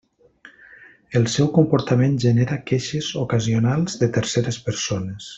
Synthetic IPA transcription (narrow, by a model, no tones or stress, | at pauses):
əlˠsɛwkumpuɾt̪əmenʒəneɾakeʃəzokəzionalˠzðət̪əɾseɾəspəɾsonəs